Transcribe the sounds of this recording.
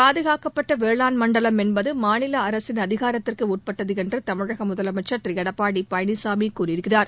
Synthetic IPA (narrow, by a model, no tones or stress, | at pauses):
paːðɯɣaːkɐpːɐʈːɐʋeːɭaːnmɐɳɖɐlɐmɛnbɐðɯmaːnɪlɐɐɾɐsɪnɐðɪɣaːɾɐt̪ːɪrkɯuːʈ̚pɐʈːɐðɯɛndrɯt̪ɐmɯɻɐɣɐmʊðɐlɐmɐɪt͡ʃːɐɾt̪rɪjɐɽɐpːaːɽipɐjɐnɪsaːmikuːrɪɾɯkːɪraːɾ